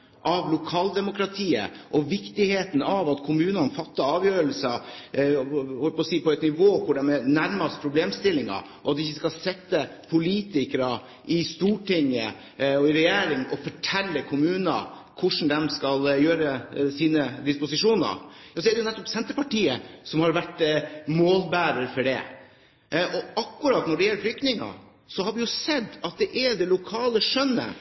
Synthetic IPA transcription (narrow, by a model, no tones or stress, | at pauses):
ʔɑʋlʊkʰɑːld̪ɛmʊkɾɑt̪ʰiːə̰ʔɔʋɪkt̪ɪheːt̪n̩ɑʋɑt̪kʰʊmʉːnɑnfɑt̪ːɑɑːʋjøːɾəlsɑ | hɔlpɔsiːpɔɛt̪nɪʋoːkʰʊɖɛmɛnæɾmɑst̪pʰɾʊbleːmst̪ɪlːɪŋɑ̰ | ʔɔɑt̪d̪ɪɪçːəskɑlsɛt̪ːə | pʰʊliːt̪ɪkɾɑ | ʔɪst̪uːʈɪŋːə̰ | ɔɪɾɛjeːɾɪŋɔfɔʈʰɛlːəkʰʊmʉːnɑ̰ | kʰʊʂn̩d̪ɛmskɑljøːɾəsiːnəd̪ɪspʊsɪʂuːnə̰ɾɔsɔɛɖɛjʊnɛt̪ːɔpsɛnt̪əɾpɑʈiːəsɔmhɑɾʋæʈːmoːlbæːɾəɾfɔɖɛ̰ | ʔɔɑkːʊɾɑːt̪nɔɖɛjɛlːəflʏk̚t̪nɪŋɑ̰ | sɔɦɑɾʋɪjʊsɛd̪ːɑt̪̚d̪ɛʔɛɖɛlʊkʰɑːləʂœnːə̰